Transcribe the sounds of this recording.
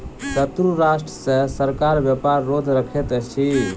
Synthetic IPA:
sət̪ɾuɾasʈɾəsẽsəɾkaɾbjəpaɾːod̪ʱɾəkʰet̪t͡ʃʰi

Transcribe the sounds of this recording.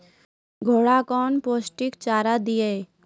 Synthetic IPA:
ɡʱoɽakɔːnpoːsʈikt͡ʃaːɾad̪ije

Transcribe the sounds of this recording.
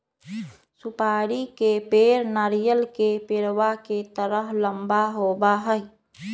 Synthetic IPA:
supaːɾikepeɾnaːɾijəlkepeɾwaket̪əɾəɦləmbaɦobaɦəɪ

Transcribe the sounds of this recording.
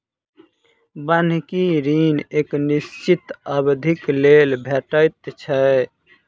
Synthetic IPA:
bənkiɾineknist͡ʃit̪əbd̪ʱiklelbʱeʈəjt̪t͡ʃʰə

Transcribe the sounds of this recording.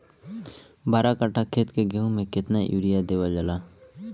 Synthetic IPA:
baːɾakaʈakʰeːt̪keɡʱeõmẽkɪt̪naʔjuːɾijad̪eːwad͡ʒəlaː

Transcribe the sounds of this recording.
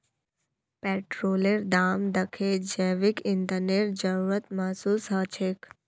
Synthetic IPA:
pɛːʈɾoːleɾd̪aːmd̪əkʰed͡ʒeːʋɪkɪnd̪əneɾd͡ʒəɾuːɾət̪maːsuːsɦaːt͡ʃʰek

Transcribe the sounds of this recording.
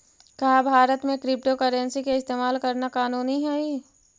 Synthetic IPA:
kɐɦabʱaːɾət̪mẽkɾɪp̚ʈokəɾə̃nsikeɪst̪eːmaːlkɐɾnakaːnuːniɦɛi

